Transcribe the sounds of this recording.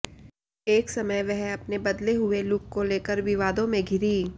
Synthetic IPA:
eːksɐməjʋɛɦɐpnebɐd̪leɦʊelʊkkoleːkəɾʋɪʋaːd̪õmẽɡʱɪɾiː

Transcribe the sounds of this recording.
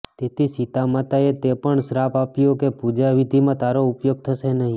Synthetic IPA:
t̪et̪ʰisit̪amat̪aet̪epəɳsɾapapjokepud͡ʒaʋid̪ʱimãt̪aɾoʊpjoɡ̚t̪ʰəʃenəɦĩ

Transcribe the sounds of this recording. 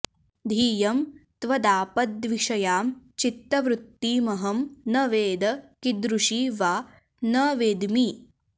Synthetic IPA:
d̪ʱiːjɐmt̪ʋɐd̪aːpɐd̪ʋiʂɐjaːmt͡ʃit̪ːɐʋɾut̪ːiːmɐɦɐmnɐʋeːd̪ɐkid̪ɾuʂiːʋaː | nɐʋeːd̪mi

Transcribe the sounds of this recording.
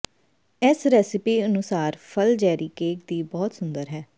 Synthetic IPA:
eːsɾɛːsɪpiːənʊsaːɾpʰəld͡ʒɛːɾiːkeːkd̪iːbɔːt̪sʊnd̪əɾɦɛː

